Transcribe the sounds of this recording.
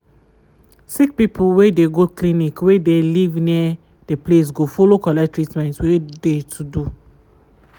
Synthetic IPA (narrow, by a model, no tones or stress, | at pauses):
sik̚pipʰuwedeɡoklinikwedelivniɛ | d̥eples̬ɡofolokɔlɛtɹitmɛ̃ntwedetʰudu